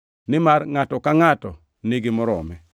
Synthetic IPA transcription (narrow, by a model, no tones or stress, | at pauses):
nɪmaɾŋatɔkaŋatɔ | nɪɡɪmɔɾɔ̰mɛ